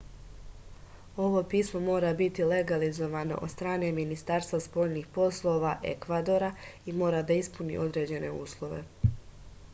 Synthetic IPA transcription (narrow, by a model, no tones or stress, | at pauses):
o̞ʋo̞piːsmo̞mo̞ːɾabit̪ile̞ɡalizo̞ʋano̞̰ʔod̪st̪ɾaːne̞minist̪aɾst̪vaspo̞ːʎniːxpo̞slˠo̞ʋaʔe̞̰kʋad̪o̞ɾaimo̞ːɾad̪aispunḭʔo̞d̪ɾe̞ːd͡ʑe̞ne̞̰ṵːslˠo̞ʋḛ